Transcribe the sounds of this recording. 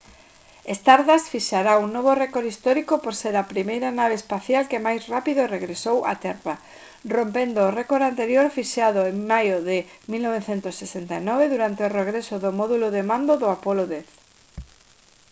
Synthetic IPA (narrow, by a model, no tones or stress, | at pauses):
est̪aɾðasfiʃaɾauŋnoβorɛkoɾist̪ɔɾikopoɾseɾapɾimejɾanaβ̞espaθjalkemajsrapiðoreɣɾesowʔa̰t̪ɛra | rompend̪oːrɛkoɾant̪eɾjoɾfiʃaðoeŋmajoðɪmilnoβ̞eθent̪ʊsːesent̪ainɔβeðuɾant̪eoreɣɾesoðomɔðuloðemãnd̪oðʊapɔloðɛθ